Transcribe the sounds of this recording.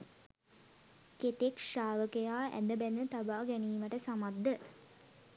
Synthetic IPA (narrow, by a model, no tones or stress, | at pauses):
ket̪ekʂaːʋəkəjaːʔæ̰nd̪əbænːət̪abaːɡɛniːməʈəsamad̪ːə